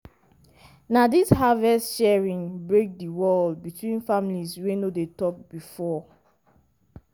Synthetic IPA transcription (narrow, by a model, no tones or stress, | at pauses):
nadishavɛstʃɛɹĩnbɹek̚diwɔlbitwĩnfamiliswenodetɔp̚bifɔ